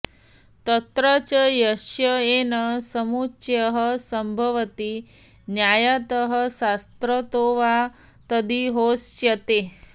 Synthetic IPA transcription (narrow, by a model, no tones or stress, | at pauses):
t̪ət̪ɾət͡ʃjəʃjəenəsəmut͡ʃjəɦəsəmbʱəʋət̪i | njajat̪əɦəʃast̪ɾət̪oʋa | t̪əd̪iɦosɕət̪e